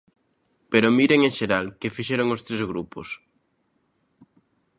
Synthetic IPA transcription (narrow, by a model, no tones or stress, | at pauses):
peɾomiɾeŋeʃeɾalkɪfiʃeɾoŋost̪ɾezɣɾupos